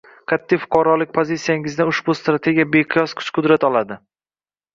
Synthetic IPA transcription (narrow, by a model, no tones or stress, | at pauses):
kʰʲat̪ʰːɪfʊ̥qʰɑɾɒlɪk̚ʲpʰozit̪sijaŋɪznɪʊʃbʊst̪ɾat̪ʰe̞ɡʲijabeqʰɨjɒsqʰʊ̥t͡ʃqʰʊd̪ɾat̪ɒlˠad̪ɪ